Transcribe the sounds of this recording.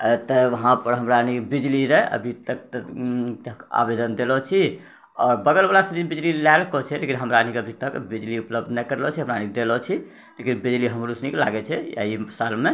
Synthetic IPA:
ət̪əʋəɦãpəɾɦəmɾanibid͡ʒliɾəə̰bʱit̪ək̚t̪ | a̰bed̪ənd̪elɔt͡ʃʰi | ɔɾbəɡəlbalasəɾinbid͡ʒlilalkɔt͡ʃʰɛlekinɦəmɾaənikeəbʱit̪əkbid͡ʒliupləb̚d̪nəkəɾlɔt͡ʃʰiɦəmɾanid̪elɔt͡ʃʰi | lekinbid͡ʒliɦəmɾusnikla̰ɡɛt͡ʃʰɛja̰isalme

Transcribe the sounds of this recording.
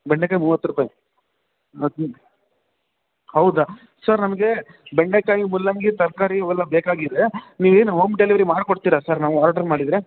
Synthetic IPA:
bɛɳɖekaːjimuːʋɐt̪ːɾupaːji | hɐwd̪a | sɐɾnɐmɐɡe̞ | beɳɖekaːjimulːɐŋɡit̪ɐɾkaːɾiɔʋɛlːɐbeːkaːɡid̪eniːʋeːnɦomɖeliʋɐɾimaːɖkoɽt̪iːɾɐsɐɾnaːʋuaːɾaʈɐɾmaːɽid̪ɾe

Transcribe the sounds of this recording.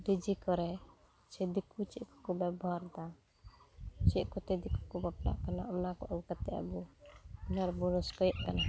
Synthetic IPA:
bid͡ʒikɔɾɛ | t͡ʃɛd̪ikʰut͡ʃɛʔkɔ̥kɔbɛbɔaɾd̪a | t͡ʃɛʔkɔt̪ɛd̪ikʰu̥kɔbap̚la̰ʔkanaɔnakɔʔabkat̪ɛʔa̰buɔnaɾbɔɾɔskɔjɛʔkana

